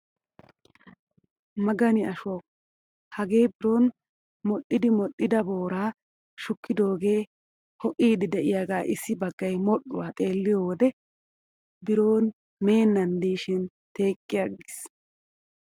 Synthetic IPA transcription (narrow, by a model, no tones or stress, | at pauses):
mɐɡɐnɪɐʃwɐ | hɐɡe̞ːbɪɾo̞ːn | mɔɗɪd̪ɪmɔɗːɪd̪ɐbo̞ːɾaː | ʃʊkːɪd̪o̞ːɡe̞ː | hɔʔʼiːd̪ɛd̪ɛʔɪjaːɡaːʔɪsːɪbɐɡːɐjmɔɗːʊwaːt̪ʼe̞ːlːɪjoːwɔd̪ɛ | bɪɾo̞ːn | me̞ːnːɐnd̪iːʃɪn | t̪e̞ːkʼːɪjaɡɪs